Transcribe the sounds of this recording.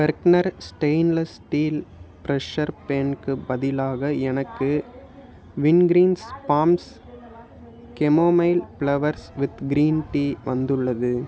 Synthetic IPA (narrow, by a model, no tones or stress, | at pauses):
ʋɐɾknɐɾsʈeɪnlɐsʈiːlpɾɛʃɐɾpeːnkɯbɐðɪlaːɣɐɛnɐkːɯ | ʋɪnɡɾiːnspaːms | kɛmoːmɐɪlpɭɐʋɐɾsʋɪðɡɾiːnʈiːʋɐnd̪ɯɭːɐðɯ